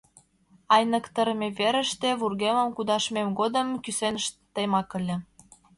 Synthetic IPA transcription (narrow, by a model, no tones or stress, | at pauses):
ɑjnə̆kt̪əɾmʲeβeɾə̆ʃt̪eβurɣemə̆mkud̪ɑʃmemɡod̪əmkysenəʃt̪ːemɑkə̆lʲĕ